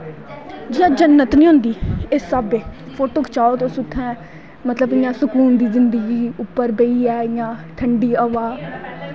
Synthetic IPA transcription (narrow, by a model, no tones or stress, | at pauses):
d͡ʒɪːãːd͡ʒənːət̪nĩːɦʊ̃nd̪iːɪsːabeːpʰoːʈoːkʰt͡ʃaːot̪osʊt̪ʰːɛ̃ː | mət̪ləbɪjãːsʊkuːnd̪iːzɪnd̪əɡiːʊpːəɾbəiːɛːɪjãːʈ̪ʰəɳɖiːəʋaː